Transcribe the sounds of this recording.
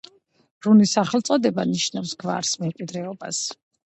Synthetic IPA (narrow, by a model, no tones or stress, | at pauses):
ɾunisaχɛlˠt̪sʼɔd̪ɛbaniʃnafsɡva̰ɾsmɛmkʼwid̪ɾɛɔbas